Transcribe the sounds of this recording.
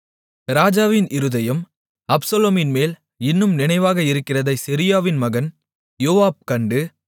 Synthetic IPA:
ɾaːd͡ʒaːʋɪnʔɪɾɯðɐjɐm | ɐbsɐloːmɪnmeːl | ɪnːɯmnɪnɐɪʋaːɣɐɪɾɯkːɪrɐðɐɪsɪɾɪjaːʋɪnmɐɣɐn | joːʋaːb̚kɐɳɖɯ

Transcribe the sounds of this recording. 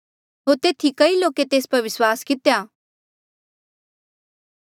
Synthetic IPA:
ɦoːɾt̪eːt̪ʰikɐiloːket̪eːspɐɾʋɪswaːskɪt̪ejaː

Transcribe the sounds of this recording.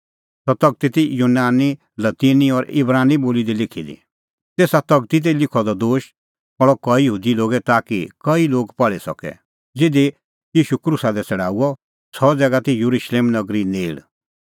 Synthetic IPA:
tɔt̪ɐɡ̚t̪it̪ijunaːni | lɐt̪iːniɔɾɪ̰bɾaːniboːlid̪ilɪkʰilḭ | t̪eːsat̪ɐɡt̪it̪̬elɪkʰɔd̪ɔd̪oːʃ | ɔɭɔkɔijɦuːd̪iloːɡɛt̪aːkikɐiloːɡpɐɭɛsɔ̰kɛ̰ | d͡zɪd̪e | jiːʃukɾusad̪ɛt͡sɛɽ̤aːuɔ | sɔd͡zɛːɡat̪ijuɾuʃleːmnɐɡɾineːɽ

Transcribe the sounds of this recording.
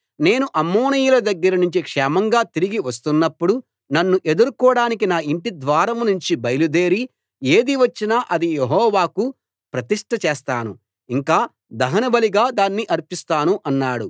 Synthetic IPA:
ne̞ːnuʔɐmːoːnijulɐd̪ɐɡːɐɾɐnuɲt͡ʃikʂɛːmɐŋɡaːt̪iɾiɡiʋɐst̪unːɐpːuɽu | nɐnːuʔe̞d̪uɾukɔːɽaːnik̬inaːiɳʈid̪ʋaːɾɐmnuɲt͡ʃibɐjlud̪e̞ːɾi | eːd̪iʋɐt͡ʃːinaːʔɐd̪ijeɦɔːʋaːku | pɾɐt̪iʂʈɐt͡ʃeːst̪a̰ːnu | iŋkaː | d̪ɐɦɐnɐbɐliɡaːd̪aːnːiʔɐɾpist̪aːnuʔɐnːaːɽu

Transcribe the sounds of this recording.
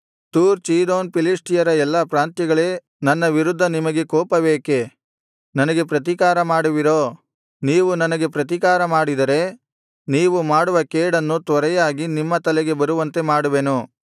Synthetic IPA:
t̪uːɾt͡ʃiːd̪oːnpiliʂʈijɐɾɐɛlːɐpɾaːnt̪jɛɡɐɭe̞ː | nɐnːɐʋiɾud̪ʱːɐnimɐɡe̞kɔːpɐbeːke̞ | nɐnɐɡe̞pɾɐt̪̬ikaːɾɐmaːɽuʋiɾoː | niːʋunɐnɐɡe̞pɾɐt̪ikaːɾɐmaːɽid̪ɐɾe̞ | niːʋumaːɽuʋɐkeːɽɐnːut̪ʋɐɾɛjaːɡinimːɐt̪ɐlɛɡe̞bɐɾuʋɐnt̪e̞maːɽuʋenu

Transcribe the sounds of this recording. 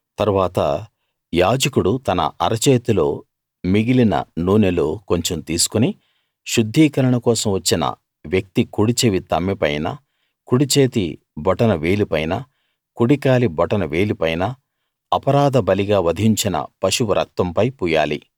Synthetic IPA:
t̪ɐɾuʋaːt̪ɐ̰ | jaːd͡ʒɐkuɽut̪ɐnɐ̰ʔɐɾɐt͡ʃeːt̪ulo̞ː | miɡilinɐ̰nuːneloːko̞ɲt͡ʃomt̪iːsu̥kuni | ʃud̪ʱːiːkɐɾɐɳɐkɔːsɐmʋɐt͡ʃːinɐ̰ | ʋjɐk̚t̪ikuɽit͡ʃeʋit̪ɐmːɛpɐjnɐ̰ | kuɽit͡ʃeːt̪ḭ | bɔʈɐnɐʋe̞ːlipɐjnɐ̰ | kuɽikaːlibɔʈɐnɐʋe̞ːlipɐjnɐ | ɐpɐɾaːd̪ɐbɐliɡaːʋɐd̪ʱiɲt͡ʃinɐ̰pɐʃuʋuɾʔɐ̰k̚t̪ɐmpɐjpuːja̰ːlḭ

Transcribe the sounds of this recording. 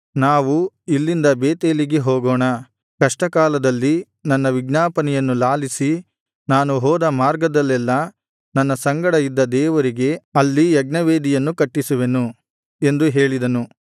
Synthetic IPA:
naːʋu | ilːind̪ɐbeːt̪eːliɡeɦɔːɡɔːɳɐ | kɐʂʈɐkaːlɐd̪ɐlːi | nɐnːɐʋiɡnaːpɐnɛjɐnːulaːlisi | naːnuɦɔːd̪ɐmaːɾɡɐd̪ɐlːɛlːɐ | nɐnːɐsɐŋɡɐɽɐjid̪ːɐd̪ɛːʋɐɾiɡe̞ɐlːijɐɡ̚nɐʋeːd̪ijɐnːukɐʈːisuʋe̞nu | e̞nd̪uɦe̞ːɭid̪ɐnu

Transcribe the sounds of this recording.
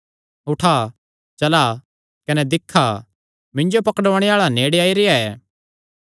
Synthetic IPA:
ʊʈʰa | t͡ʃɐla | kɐnɛd̪ɪkʰːa | mɪ̃ɲd͡ʒopɐkɽoːɽ̃ɛaːɭaneːɽeaːiɾɪaɛː

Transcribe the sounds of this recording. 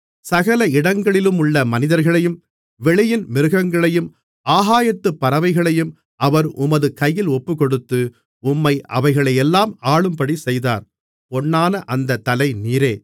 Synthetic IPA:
sɐɣɐlɐɪɽɐŋɡɐɭɪlɯmʊɭːɐmɐnɪðɐɾɣɐɭɐjɯm | ʋɛɭɪjɪnmɪɾɯɣɐŋɡɐɭɐjɯm | aːɦaːjɐt̪ːɯpːɐɾɐʋɐɪɣɐɭɐjɯm | ʔɐʋɐɾʊmɐðɯkɐjːɪlɔpːɯkɔɽɯt̪ːɯ | ʊmːɐɪʔɐ̰ʋɐɪɣɐɭɐjɛlːaːmaːɭɯmpɐɽisɛjða̰ːɾ | pɔɳːaːnɐʔɐnd̪ɐt̪ːɐlɐɪniːɾeː

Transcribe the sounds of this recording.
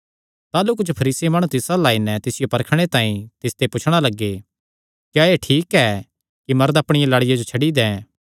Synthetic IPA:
t̪aːlukʊd͡ʒʰpʰɐɾiːsiemaːɽ̃ũt̪ɪsalaːinɛt̪ɪsɪjopɐɾkʰɽ̃et̪ãːĩt̪ɪst̪epʊt͡ʃʰɽ̃alɐɡːe | kjaːeʈʰiːkɛ | kimɐɾd̪ɐpɽ̃ɪjãlaɽɪjad͡ʒot͡ʃʰɐɽid̪ɛ̃ː

